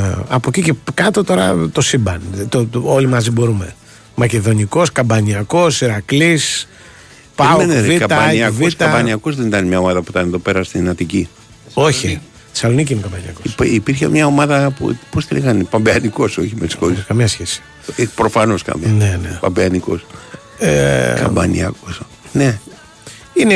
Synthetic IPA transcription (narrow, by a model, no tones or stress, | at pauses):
ɐpo̞cicekɐt̪o̞t̪o̞ɾɐ̰t̪o̞sibɐnt̪oolimɐzibo̞ɾume̞ | mɐce̞ðo̞niko̞skɐbɐniɐko̞siɾɐklis | pɐoeneviɐɐɐniɐvist̪ɐbɐniɐkozðenit̪ɐnmɲɐo̞mɐðɐpui̥t̪ɐneðo̞peɾɐst̪inɐt̪ici | o̞çi | θi̥sɐlo̞nic̬iinekɐbɐniɐkospipiɾçemɲɐo̞mɐðɐpṵposteliɣɐnpɐmbeɐniko̞soçimet̪i̥skoliskɐmɲɐsçesi̥ | pɾofɐno̞skɐ̰mnenepɐ̰mbeɐniko̞̰s | ḛkɐ̰mbɐ̰nḭɐ̰kos | ne | ine